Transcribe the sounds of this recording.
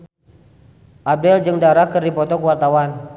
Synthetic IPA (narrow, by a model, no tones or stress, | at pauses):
ʔab̚dɛld͡ʒɨŋdaɾakərdipɔt̪ɔkəwart̪awan